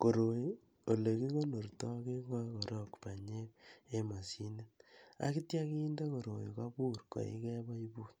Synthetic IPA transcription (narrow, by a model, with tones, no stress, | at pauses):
ko˨ɾo˨ | o˨le˨ki˦ko˦no˨rtɔ˦ke˦kɔ˦ko˨ɾo˦˨kpa˨ɲe˦e˦ma˨si˦ne˦ta̰˦ki˦tja˦kiː˦nde˦ko˨ɾo̰˨jḭ˨ka˦pu˦rko̰˨ḭ˦kɛ˦ba˦i˦bu˦t̚